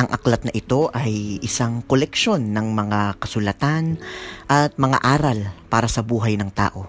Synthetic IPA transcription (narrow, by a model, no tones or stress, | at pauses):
ʔɐŋʔɐklɐt̪̚nɐʔɪt̪o̞ʔɐjʔɪsaŋkolɛkʃo̞nːɐŋmɐŋakɐsʊlɐt̪anʔɐt̪̚mɐŋa̰ʔaːɾɐlpaːɾɐsɐbuːɦɐjnɐŋt̪a̰ːʔo̞